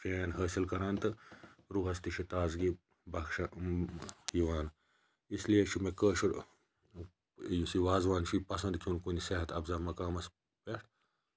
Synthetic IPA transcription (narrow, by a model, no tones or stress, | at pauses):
peːnɦəːsilkɐɾaːnt̪ɨɾuːɦɐst̪iʃʰit̪aːzɡi | bɐkʃɐ | jiʋaːn | islijet͡ʃʰimekəːʃuɾ | jusiʋaːzʋaːnt͡ʃʰipɐsɐnd̪kʲʰunkuniseɦɐt̪ʰɐbzɐːmɐkaːmɐs | peʂʈ